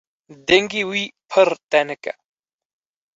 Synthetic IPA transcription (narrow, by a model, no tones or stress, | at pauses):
d̪eŋɡiwipʰəɾt̪aneka̰